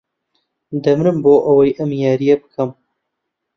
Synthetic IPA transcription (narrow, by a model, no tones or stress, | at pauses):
d̪ɐmɾɨmboːʔɐwɐjʔɐmjaːɾijɛbɨkʰɐm